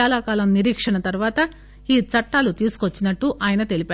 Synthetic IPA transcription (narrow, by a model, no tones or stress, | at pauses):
aːlaːkaːlɐmniɾiːkʂɐɳɐt̪ɐɾʋaːt̪ɐ | iːt͡ʃɐʈːaːlut̪iːsu̥kot͡ʃːinɐʈːuʔaːjɐnɐt̪e̞lipaː